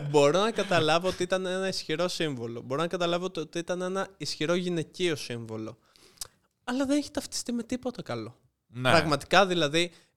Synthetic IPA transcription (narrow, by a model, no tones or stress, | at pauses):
bo̞ɾo̞nɐkɐt̪ɐlɐvo̞ot̪iit̪ɐnenɐisçiɾo̞siɱvo̞lo̞̰bo̞ɾonɐkɐt̪ɐlɐvoot̪iot̪iit̪ɐne̞nɐisçiɾo̞ʝine̞cio̞siɱvo̞lo̞ | ɐlɐðeneçi̥t̪ɐft̪i̥st̪ime̞t̪ipo̞t̪ɐkɐlo̞ | nnpɾɐɣmɐt̪i̥kɐðilɐði